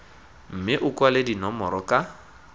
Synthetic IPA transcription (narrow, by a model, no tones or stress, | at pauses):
m̩mɪʔʊkʼwalɪdinɔmɔɾɔkʼa